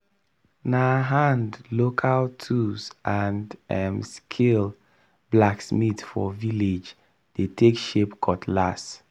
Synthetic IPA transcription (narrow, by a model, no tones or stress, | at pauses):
naɦãndlokʰaltʰusʔãndɛmskʰil | blaksmitfɔ̰viled͡ʒ | d̥etʰekʃepkʰɔtʰlas